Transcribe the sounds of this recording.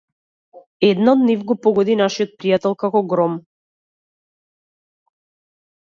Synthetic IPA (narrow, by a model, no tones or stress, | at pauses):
ɛd̪naɔd̪nivɡɔpɔɡɔd̪inaʃijɔt̪̚pɾijat̪ɛlˠkakɔɡɾɔm